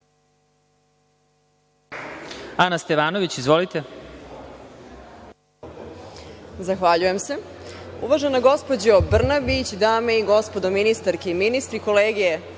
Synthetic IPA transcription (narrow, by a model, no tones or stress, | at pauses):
anast̪eʋaːnoʋit͡ɕizʋolit̪e | zaxʋaʎuje̞mse̞ | ṵʋaʒenaɡo̞spod͡ʑobr̩nabit͡ɕd̪aːmeiɡo̞spo̞d̪o̞minist̪aɾkeiminist̪ɾiko̞leːɡije